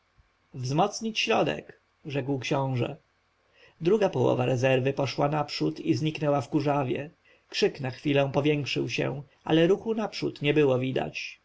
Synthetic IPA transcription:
vzmɔt̪sɲit͡ɕɕɾɔd̪ɛ̰k | ʐɛkwkɕɔ̃w̃ʐɛ̰ | d̪ɾuɡapɔwɔ̰vaɾɛzɛɾvɘpɔʂwanapʂut̪izɲiknɛwafkuʐavʲjɛ̰ | kʂɘknaxfʲilɛ̃pɔvʲjɛŋkʂɘ̰wɕɛ̰ʔa̰lɛɾuxunapʂṵt̪ɲɛbɘwɔvʲid̪a̰t͡ɕ

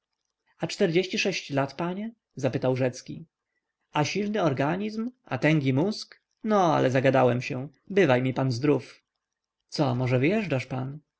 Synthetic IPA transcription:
at͡ʂt̪ɛɾd͡ʑeɕt͡ɕiʂɛɕt͡ɕlat̪paɲɛ | zapɘt̪awʐɛt̪skʲḭ | aɕilnɘɔɾɡaɲizma̰t̪ɛŋɡʲimusk | nɔa̰lɛzaɡad̪awɛmɕɛ | bɘvajmʲipanzd̪ɾuf | t̪sɔmɔʐɛvɘjɛʐd͡ʐaʂpan

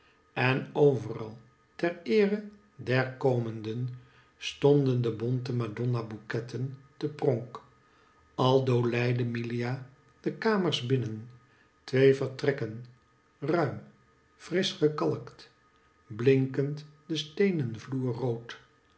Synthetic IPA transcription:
ɛnowvərɑ̰lˠ | tɛɹɪːrə | dɛɹkowməndən | stɔndəndəbɔntəmadɔnabukɛtʰəntəprɔŋk | ɑlˠdowlɛjdəmilia | d̥əkaːməɹzbɪnən | tʋejvəɹtrɛkən | rœɥm | frɪsχəkɑlˠkt | blɪŋkəntdəstejnənvluːɹrowt

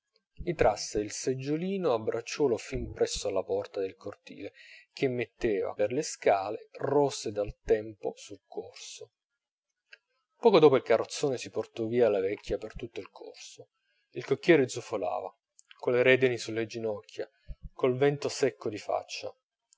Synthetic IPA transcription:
mit̪ɾasːeilsed͡ʒːoliːnoabːɾat͡ʃːɔːlofimpɾɛsːoalːapɔrt̪ad̪elkʰort̪ḭːlek̟emːet̪ːeːva̰perleskaːlerɔsːed̪alt̪ɛmposulkʰorso | pɔːkod̪ɔːpoilkarːot̪sːoːnesiport̪ɔviːalavɛkʲːjapert̪ut̪ːoilkʰo̰rso | ilkokːjɛːɾed̪zufola̰ːva̰ | koleɾɛːd̪enisulːed͡ʒinɔkʲʰːja | kolvɛnt̪osɛkːod̪ifa̰t͡ʃːa̰

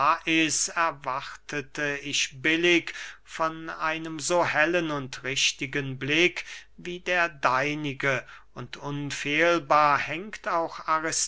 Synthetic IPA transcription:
ʔɪsɛɐvaʁtətʰəɪçbɪlɪkfɔnʔa̰ɪnəmzoːhɛlənʊntʁɪʃtɪɡənblɪkviːdeːɐdaɪnɪɡəʔʊntʰʔʊnfeːlbaːɐhɛŋktaʊxaʁɪs

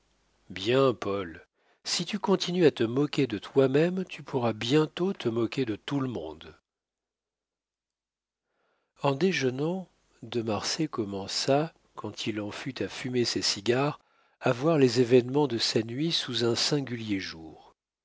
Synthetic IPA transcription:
bjɛ̃pɔl | sit̪ykɔ̃t̪ʰinyat̪əmɔkʲed̪ət̪wamɛmt̪ypʰuʁabjɛ̃t̪ot̪ʰəmɔkʲed̪ət̪uləmɔ̰̃d̪ | ɑ̃d̪eʒənɑ̃ | d̪əmaʁsekɔmɑ̃sa | kɑ̃t̪ʰilɑ̃fyt̪ʰafymesesiɡʲaʁ | avwaʁlezevɛnmɑ̃d̪əsanɥisuzɛ̃sɛ̃ɡʲyljeʒuːʁ

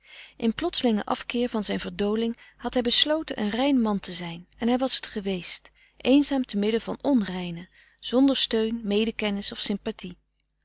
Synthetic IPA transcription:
ʔɪnplɔtsəlɪŋəʔɑ̰fkɪːɹvɑnzɛjnvəɹdowlɪŋhɑtɦɛjbəslowtənʔə̰nrɛjnmɑntəzɛjnɛnɦɛjʋɑsətχəʋejst | ʔejnzaːmtəmɪdəv̥ɑnɔnrɛjnə | z̥ɔndəɹstøɥnmejdəkɛnɪsɔfsɪmpati

